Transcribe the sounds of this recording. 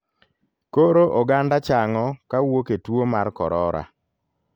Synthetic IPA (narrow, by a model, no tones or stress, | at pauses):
koɾoʔoɡandat͡ʃaŋɔkawoketwomarkɔ̰ɾɔɾa̰